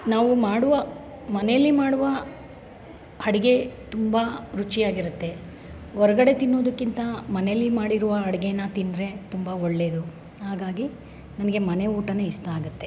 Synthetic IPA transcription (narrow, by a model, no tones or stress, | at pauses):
naːʋumaːɽuʋɐ | mɐnejɐlːimaːɽuʋɐ | hɐɽiɡe̞t̪umbɐɾut͡ʃijaːɡiɾut̪ːe̞ | ɔɾɐɡɐɽe̞t̪inːo̞ːd̪ɐkːint̪ɐmɐnejɐlːimaːɽiɾuʋɐɦɐɽiɡenːɐt̪ind̪ɾe̞t̪umbɐoɭːe̞ːd̪u | haːɡaːɡi | nɐnɐɡe̞mɐne̞uːʈɐneist̪aːɡut̪ːe̞